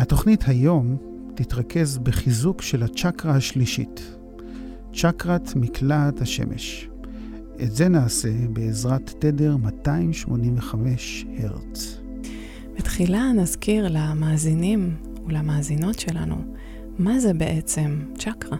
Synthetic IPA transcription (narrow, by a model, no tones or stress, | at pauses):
hato̞χnithajo̞m | titʁake̞zbeχizukʃelhat͡ʃakʁahaʃliʃḭt | t͡ʃakʁatmikʰlathaʃe̞̰mʔḛʃ | ʔḛtze̞naːse̞beːzʁatːede̞ʁmataimʃmo̞ninveχameʃheʁt͡s | betχilanazkiʁlamaːzinim | ulamaːzino̞tʃe̞la̰nṵ | mazebe̞ʔet͡se̞mt͡ʃakʁa